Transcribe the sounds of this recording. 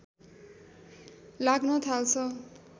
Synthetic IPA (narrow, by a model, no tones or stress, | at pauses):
laɡnʌt̪ʰalt͡sʰʌ